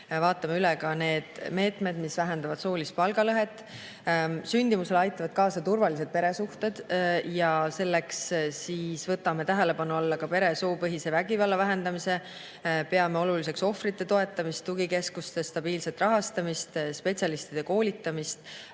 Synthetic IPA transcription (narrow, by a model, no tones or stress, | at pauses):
vɑːt̪ːˑɑmeylekɑne̞ːd̪̥me̞ːt̪ˑme̞d̪misvæɦe̞nd̪ɑvɑd̪̥so̞ːlist̪̚pɑlɡɑlɤɦe̞t̪ːˑ | synʲd̪̥imuse̞lɑjt̪ːˑɑvɑd̪̥kɑːsɑt̪urvɑlise̞d̪̚pe̞ɾe̞suht̪e̞d̪̥jɑse̞lːe̞kssiːsvɤt̪ːˑɑme̞t̪æɦe̞le̞pɑnuɑlːɑkɑpe̞ɾe̞soːpɤɦise̞væɡivɑlːɑvæɦe̞nd̪ɑmise̞ | pe̞ɑme̞o̞lulis̬e̞kso̞fɾit̪ːˑe̞t̪o̞e̞t̪ːˑɑmist̪ːuɡike̞skust̪e̞st̪ɑb̥iːlse̞t̪rɑɦɑst̪ɑmist̪spe̞tt͡ssʲjɑlist̪id̪̥e̞ko̞ːlit̪ːˑɑmist̪